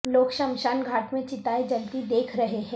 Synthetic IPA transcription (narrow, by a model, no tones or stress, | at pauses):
loːkʃɐ̃mʃaːnɡʱaːʈmẽt͡ʃɪt̪aːed͡ʒɐnt̪id̪eːkʰɾɐɦeɦɛ̃ː